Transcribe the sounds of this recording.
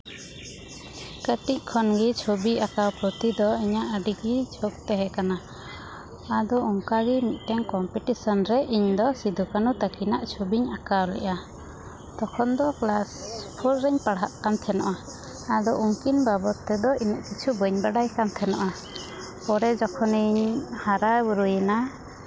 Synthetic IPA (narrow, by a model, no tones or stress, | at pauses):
kəʈic̚kʰɔnɡit͡ʃʰobiakawpɾɔt̪id̪ɔiɲaʔəɖiɡid͡ʒʰok̚t̪ɛɦɛkana | d̪ɔuŋkaɡimit̪̚ˀt̪ɛŋkɔmpiʈisɔnɾɛʔiɲd̪ɔsid̪ʱukanut̪akinaʔt͡ʃʰobiɲakawlɛ̰ʔa | d̪̥ɔkʰɔnd̪ɔklaspʰɔɾɾɛɲpaɽɦaʔkamt̪ʰɛnɔ̰ʔaː | d̪ɔʔuŋkinbabɔt̪ːɛd̪ɔinɛʔkit͡ʃʰubəɲbaɖajkant̪ʰɛnɔ̰ʔa | pɔɾɛd͡ʒɔkʰɔniɲhaɾabuɾujna